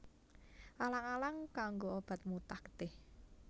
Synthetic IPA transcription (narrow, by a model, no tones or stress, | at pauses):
ʔalaŋalaŋkaŋɡoob̥a̤t̪̚mut̪ahkə̥t̪ɪh